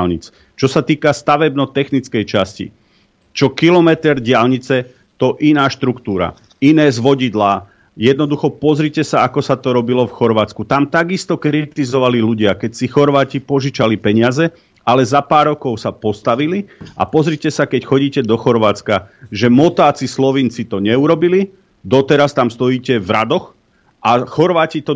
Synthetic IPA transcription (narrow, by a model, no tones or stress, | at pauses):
lɲit͡s | t͡ʃɔsat̪iːkast̪aʋɛbnɔt̪ɛxnit͡skɛjt͡ʃascḭ | t͡ʃɔkilɔmɛt̪ɛɾɟɪalɲit͡sɛ | t̪ɔʔinaːʃt̪ɾukt̪uːɾa̰ | inɛːzʋɔɟid̪laː | jɛd̪nɔd̪uxɔpɔzɾicɛsaakɔsat̪ɔɾɔbilɔfxɔɾʋaːt͡skut̪amt̪aɡist̪ɔkɾit̪izɔʋaliluɟɪakɛcsixɔɾʋaːcipɔʒit͡ʃalipɛɲɪazɛ | alɛzapaːɾɔkɔʊsapɔst̪aʋilia̰pɔzɾicɛsakɛcxɔɟiːcɛd̪ɔxɔɾʋaːt͡skaʒɛmɔt̪aːt͡sislɔʋint͡sit̪ɔɲɛuɾɔbili | d̪ɔt̪ɛɾast̪amst̪ɔjiːcɛvɾad̪ɔx | ʔaxɔɾʋaːcit̪ɔ